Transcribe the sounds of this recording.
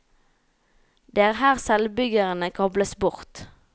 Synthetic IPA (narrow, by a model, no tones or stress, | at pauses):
d̪eːæːʁhæːʁsɛlbʏɡəʁənəkʰɔbləsbʊʁt̪